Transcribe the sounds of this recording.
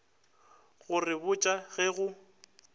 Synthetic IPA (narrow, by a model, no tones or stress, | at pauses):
ɣʊrɪbʊt͡ʃʼaɣɛɣʊ